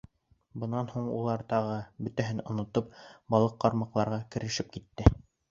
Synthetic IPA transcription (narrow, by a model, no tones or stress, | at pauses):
bɤ̆nɑnhuɴṵlˠɑɾt̪ɑʁɤbɵ̆t̪æɦɘnŏ̰nŏt̪op̚bɑlˠɤqːɑɾmɑqlˠɑɾʁɑkɘ̆ɾɘ̆ʃɘp̚kit̪ːɘ